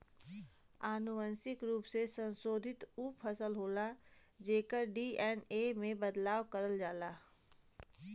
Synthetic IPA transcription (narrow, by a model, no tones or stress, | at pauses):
aːnʊʋənsɪkɾuːpsesə̃nsoːd̪ʱɪt̪uːpʰɐsəlɦoːlad͡ʒeːkəɾɖiːɛːneːmẽbəd̪laːʋkəɾəld͡ʒaːlaː